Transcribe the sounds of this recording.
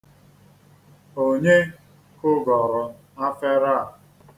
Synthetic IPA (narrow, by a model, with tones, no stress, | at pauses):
o˨ɲe˦ | kʊ˦ɡɔ˨ɾɔ˨ | a˦fe˦ɾa˦˨